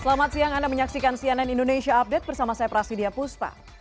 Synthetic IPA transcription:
səlamat̪̚siaŋandaməɲaksikansianɛnindonesiaːp̚dɛt̪̚bərsamasajapɾasidiapust̪a̰

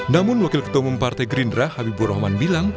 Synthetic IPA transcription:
namʊnwakɪlkə̥t̪omumpart̪ajɡɾindɾahhabibuɾɔhmanbilaŋ

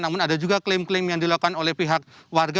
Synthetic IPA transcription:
namʊnadad͡ʒuɡaklemklemjaŋdilakanolɛhpiɦak̚warɡa

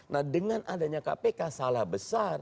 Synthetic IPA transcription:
nahdəŋanʔadaɲaka̰pekasalahbəsar

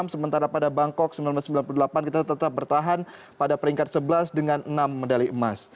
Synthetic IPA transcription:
msəmənt̪aɾapadabaŋkɔk̚səmbilanblasəmbilanpuludəlapankit̪att̪ət̪ap̚bərt̪aɦan | padapəɾiŋkat̪̚səbəlasdəŋanənamːədaliəmas

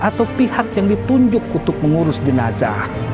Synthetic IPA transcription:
ʔat̪awpihak̚jaŋdit̪uɲd͡ʒʊkunt̪ʊk̚məŋuɾʊsdinasa̰

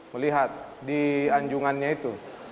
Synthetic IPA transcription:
məliɦat̪̚diaɲd͡ʒuŋanɲait̪u

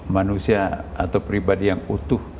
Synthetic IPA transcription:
manusiaa̰t̪awpɾibadijaŋut̪uh

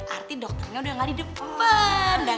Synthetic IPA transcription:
ʔart̪idɔk̚t̪ərɲaudaŋadidəp̚əmbənda

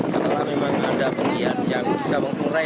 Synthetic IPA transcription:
kət̪əlahmemaŋa̰damulianjaŋbisaməŋkuɾa

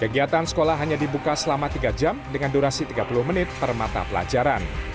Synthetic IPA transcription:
kəɡiat̪ansə̥kolahɦaɲadibukasəlamat̪iɡad͡ʒamdəŋanduɾasit̪iɡapulʊhmənɪt̪̚pərma̰t̪a̰pəla̰d͡ʒaɾan

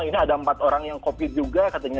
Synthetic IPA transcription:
ŋiniadaəmpat̪oɾaŋjaŋkopɪt̪̚d͡ʒuɡakat̪aɲa

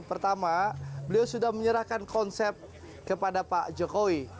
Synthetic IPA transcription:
pərt̪amabəliawsudahməɲəɾahkankɔnsɛp̚t̪̚ | kəpadapaʔd͡ʒokowi

